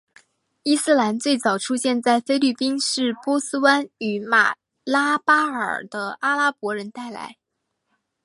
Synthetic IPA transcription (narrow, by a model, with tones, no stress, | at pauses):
i˥sɹ̩˥˩la˧˥nt͡swe˥˩ɪt͡sɑ˨˩ʊʈ͡ʂʰu˥ɕjɛ˥˧nt͡sa˥˩ɪfe˥ɪly˥˩pi˥nʂɻ̩˥˩pwɔ˥sɹ̩˥wa˥ny˧˩ma̰˨˩ | la˥pa˥ə̰˞˨˩d̪ə˦ʔa˥la˥pwɔ˧˥ɻə˧˥nt̪a˥˩ɪla̰˧˥ɪ